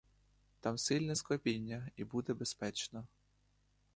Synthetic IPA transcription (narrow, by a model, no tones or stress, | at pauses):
t̪ɑmsɪlʲnɛskɐpʲinʲːɐibud̪ɛbespɛt͡ʃnɐ